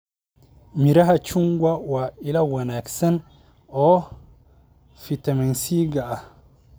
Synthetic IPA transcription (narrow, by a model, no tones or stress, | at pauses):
miɾɐɦat͡ʃuŋɡwawailɐwɐnaːksɐn | ɔ | fit̪ɐmɛnsiːɡaʔa